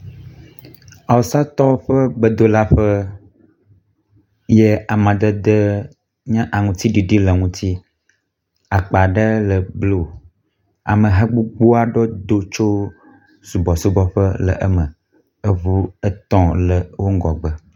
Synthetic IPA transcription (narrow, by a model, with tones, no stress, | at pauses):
a˨wo˨sa˦t̪ɔ˦ɸə˦bə˦d̪o˦la˦ɸə˦ | je˦a˨mã˨d̪ə˦d̪ə˦ | ɲã˦ʔa˨ŋũ˨t̪i˦ɖi˨ɖi˦lə˨ŋũ˦t̪i˦ | a˨k͡pa˨ɖə˦lə˨blo˦˨ | a̰˨mə̃˨ɦa˦ɡ͡bu˦ɡ͡bo˦a˨ɖo˦d̪o˦t͡ʃo˦ | su˨bɔ˨su˦bɔ˦ɸə˦lə̰˨ʔə˦mə̃˨ | ə˦vu˦ə˦t̪ɔ̃˦lə˨wo˦ŋ˦ɡɔ˨ɡ͡bə˦